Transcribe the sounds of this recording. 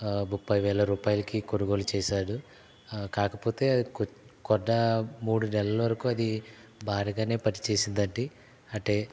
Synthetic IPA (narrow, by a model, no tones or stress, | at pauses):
mupːɐjʋɛːlɐɾuːpaːjɐlɐkikoɽuɡo̞ːlut͡ʃɛːʃaːɽu | kaːkɐpo̞ːt̪e̞ːɐkkɔɖːɐmuːɽunɛlːɐlɐʋɐɾɐkuɐd̪i | bʱaːɾiːɡaːne̞ːpɐʈi̥t͡ʃe̞ːsind̪ɐɳɖi | ɐʈeː